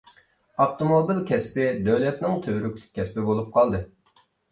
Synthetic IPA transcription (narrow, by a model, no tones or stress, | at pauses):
ɑft̪omobilkʲʰɛspɪd̪øwlɛt̪nɪŋt̪ʰøɾykʲlʲɪ̥kʲkʲʰːɛspɪbolˠup̚qʰɑlˠd̪ɨ